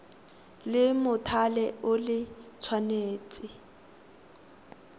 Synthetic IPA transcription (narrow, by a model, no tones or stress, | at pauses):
lɪmʊtʰalɛʊlɪt͡sʰwaneːt͡sʼɪ